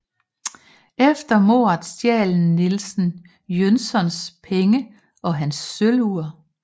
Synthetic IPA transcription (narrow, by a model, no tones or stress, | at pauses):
efd̥ɐmo̝̰ɑ̈d̥sjɛ̰ːln̩nilsn̩ | jønsɒ̽nspʰeŋə | ʔɒ̽ɦænsːøluɐ